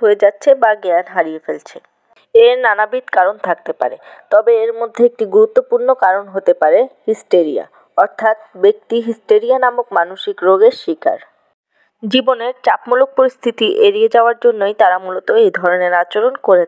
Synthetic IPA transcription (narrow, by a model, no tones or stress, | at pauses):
ɦoed͡ʑatːɕʰebaɡɛanɦaɾiefelt͡ɕʰe | eɾnanabid̪kaɾont̪ʰak̚t̪epa̰ɾe | t̪ɔbeeɾmod̪ʱːeek̚ʈiɡuɾut̪ːopuɾnokaɾonɦot̪epaɾehisʈeɾija̰ | ɔɾt̪ʰat̪̚bek̚t̪iɦisʈeɾianamokmanuʃikɾoɡeɾʃika̰ɾ | d͡ʑiboneɾt͡ɕapmolok̚poɾist̪ʰit̪iʔeɾied͡ʑaoaɾd͡ʑonːojt̪aɾamulot̪oejd̪ʱɔɾoneɾat͡ɕoɾonkoɾe